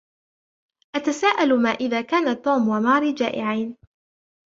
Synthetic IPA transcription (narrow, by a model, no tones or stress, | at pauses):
ʔat̪asaːʔalmaːʔɪðaːkaːnat̪ːuːmwamɑːɾid͡ʒaːʔɪʕaːn